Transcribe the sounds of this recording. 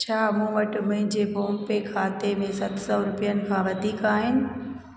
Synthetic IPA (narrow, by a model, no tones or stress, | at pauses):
t͡ɕʰaːmũːʋɐʈɪmʊ̃ɦɪ̃ɲd͡ʑeboːmpekʰaːt̪emẽsɐt̪ʰsɔɾʊpijənɪ̆kʰãːʋɐd̪ʱiːkaːɦɪnɪ̆